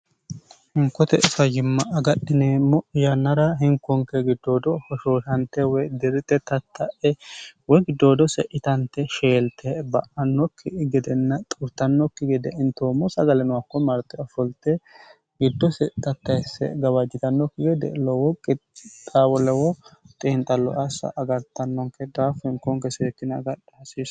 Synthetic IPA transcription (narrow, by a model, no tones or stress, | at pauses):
hɪŋkːɔt̪ɛʔɪfɐjɪmːɐʔɐɡɐɗːɪnɛmɔʔɪjɐnːɐɾɐɦɪŋkːɔŋkːɛɡɪd̪ːoːd̪ɔhɔʃoːʃɐnt̪ːɛwɔjd̪ɪɾɪt̪ːɛt̪ɐt̪ʰːɐʔɛwɔɡɪd̪ːoːd̪ɔsɛʔɪt̪ɐnt̪ːɛʃeːlt̪ʰːɛbɐʔɐnːɔkʰːɪɡɪd̪ɛnːɐt̪ʼʊɾt̪ːɐnːɔkːɪɡɛd̪ɛʔɪnt̪oːmɔsɐɡɐlɛnʊwakːɔmɐɾt̪ʼːɛɔfɔlt̪ːɛ | ɡɪd̪ːɔsɛt̪ɐt̪ːɐjsɛ̰ɡɐwɐd͡ʒɪt̪ɐnːɔkːɪɡɛd̪ɛ̰lɔwɔkʼːɪt̪ʼaːwɔlɛwɔt̪ʼɪːnt̪ʼɐlːɔ̰ʔɐsɐ̰ʔɐɡɐɾt̪ːɐnːɔŋkːɛd̪aːfɛŋkɔŋkɛseːt̪ːɪnɐɡɐᶑɛɐsis